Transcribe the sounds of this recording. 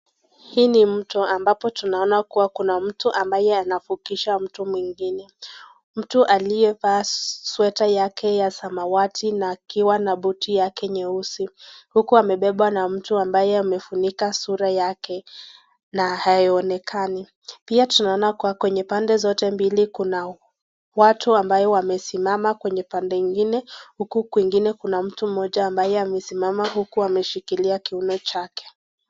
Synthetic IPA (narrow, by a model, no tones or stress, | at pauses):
hiːnim̩tɔambapɔtunaɔnakuwakunam̩tuʔambajɛanafukiʃam̩tumwiŋɡinɛ | m̩tuʔalijɛfaːswɛtajakʰɛjasamawatʰinaːkiwanaɓutijakɛɲɛusihukuamɛɓɛɓwanam̩tuambajɛamɛfunikasuɾajakɛ | nahajiɔnɛkʰani | piatunaɔnakuakwɛɲɛpandɛzɔtɛmbilikuna | watuambajɔwamɛsimamakwɛɲɛpandɛŋɡinɛhukukwiŋɡinɛkunam̩tum̩ɔʄaːmbajɛamɛsimamaɦukuamɛʃikiliakiunɔt͡ʃakɛ̥